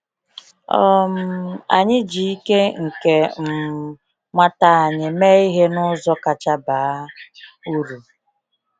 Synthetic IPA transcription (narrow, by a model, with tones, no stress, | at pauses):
ɔ˦˨m̩˨˦a̰˨ɲɪ˦d͡ʒi˨i˦ke˦ŋ̩˨ke˨m̩˦ | ma˦ta˦a˨ɲɪ˨me˦i˦ɦe˦nʊ˦zɔ˦ka˨t͡ʃa˦baː˨˦u˦ɾu˨